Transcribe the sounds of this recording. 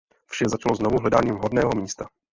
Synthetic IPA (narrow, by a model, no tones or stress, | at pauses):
fʃɛzat͡ʃaloznovuɦlɛdaːɲiːmvɦodnɛːɦomiːst̪a